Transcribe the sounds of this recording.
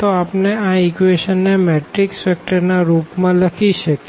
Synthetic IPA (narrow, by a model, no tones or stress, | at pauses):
t̪oapneaikʋeʃənːemeʈɾiksɛk̚ʈəɾnaɾupmãləkʰiʃəke